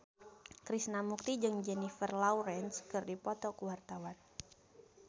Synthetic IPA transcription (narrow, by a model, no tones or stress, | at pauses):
kɾisnamuk̚t̪id͡ʒɨŋd͡ʒɛnifərlawɾɛnskɨrdipɔt̪ɔkəwart̪awan